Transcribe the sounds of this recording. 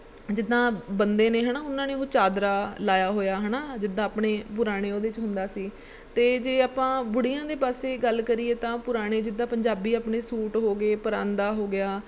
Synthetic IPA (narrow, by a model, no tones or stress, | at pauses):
d͡ʒɪd̪ãːbənd̪eːneːɦənaːʊnãːneːoːt͡ʃaːd̪ɾaːlaːjaːɦoːjaːɦənaːd͡ʒɪd̪ãːpɳeːpʊɾaːɽ̃eːoːd̪eːt͡ʃɦʊnd̪aːsiː | t̪eːd͡ʒeːaːpãːbʊɽijãːd̪eːpaːseːɡəlkəɾiːeːt̪ãːpʊɾaːɽ̃eːd͡ʒɪd̪ãːpəɲd͡ʒaːbiːaːpɳeːsuːʈɦoːɡeːpəɾãːnd̪aːɦoːɡɪjaː